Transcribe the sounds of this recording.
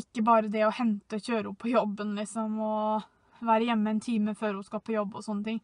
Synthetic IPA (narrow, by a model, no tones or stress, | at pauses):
ɪkːəbɑːɾəd̪ɛɔhɛnt̪əɔçøːɾəʊpʰːɔjɔbːənlɪksɔmɔ | ʋæːɾəjɛmːəɛnt̪ʰiːməføːɾhʊskɑlpʰɔjɔbːɔsɔnːət̪ʰɪŋ